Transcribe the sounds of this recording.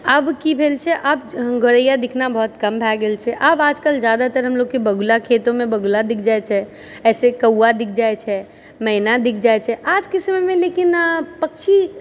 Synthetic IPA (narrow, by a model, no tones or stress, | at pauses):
əbkibʱelt͡ʃʰɛʔəbɡʱoɾəjad̪ikʰnabɔɦt̪kəmbʱaɡelt͡ʃʰɛʔəbad͡ʒkəld͡ʒjad̪at̪əɾɦəmloɡkːebəɡulakʰet̪õmebəɡulad̪ik̚ʰd͡ʒajt͡ʃʰɛ | ɛːsekəwad̪ikʰd͡ʒajt͡ʃʰɛ | məɪnad̪ikʰd͡ʒajt͡ʃʰɛʔad͡ʒkisəmemẽlekinpək̚t͡ʃʰi